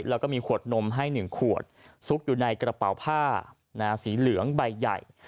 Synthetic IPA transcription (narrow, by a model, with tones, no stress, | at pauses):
lɛː˦˥kɔː˥˩miː˧kʰu˨˩ət̪̚no˧mɦa˥˩jnɯ˨˩ŋkʰu˨˩ət̪̚su˦˥k̚juː˨˩na˧jkɾa˧pa̰˨˩wpʰaː˥˩ | naː˦˥˧siː˩˦lɯ˨˩˦əŋba˧jːa̰˨˩j